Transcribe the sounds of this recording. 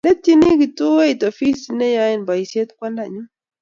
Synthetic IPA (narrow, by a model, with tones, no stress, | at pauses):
nɛ˦ti˦ni˦ɡi˨tu˦e˦i˨to˨fi˦sinɛ˦ja˦ji˦˨nba˨i˨se˦t̪kwɛ˦nda˨ɲu˦